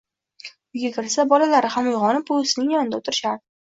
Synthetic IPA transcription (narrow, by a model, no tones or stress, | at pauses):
ʊɡʲakʲɪɾsabɒlalaɾɪhamʊjʁɒnɪpʊsɪnɪŋjanɪnd̪aʊt̪ʰɪɾɪʃaɾd̪ɪ